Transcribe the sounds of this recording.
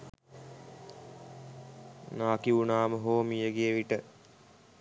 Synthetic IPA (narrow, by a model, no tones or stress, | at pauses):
naːkiunaːməɦoːmijəɡieʋiʈə